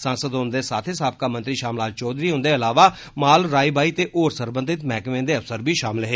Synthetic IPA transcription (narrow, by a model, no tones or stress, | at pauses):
sãːnsəd̪ɦõnd̪eːsaːt̪ʰeːsaːb̚kaːmə̃nt̪ɾiːʃaːmlaːd͡ʒt͡ʃɔːd̪ɾiːɦʊ̃nd̪eːəlaːʋaː | maːlɾaːibaːiːt̪eːʔoːɾsəɾbənd̪ɪt̪mɛːkmẽːd̪eːəfsəɾbʱiːʃaːmɪlɦeː